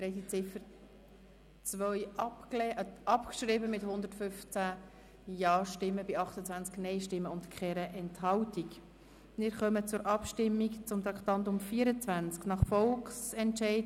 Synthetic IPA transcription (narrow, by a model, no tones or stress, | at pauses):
hɛɪtit͡sɪfəɾ | t͡sʋœʏɑpklɛɑpkʃɾɪbəmɪthʊnd̪əɾtfʏft͡sæ | jɑːʃtɪmːəbɪɑχt̪ət͡sʋænt͡sknɛɪʃtɪmːəʊntkʰχɛɾəʔɛnthɑltik | mɪɾχœmət͡sʊɾʔɑpʃtɪmːikt͡sʊmt̪ɾɑkχt̪ɑntʊmfiːəɾət͡svænt͡sknɑχfɔlksɛntʃɛɪd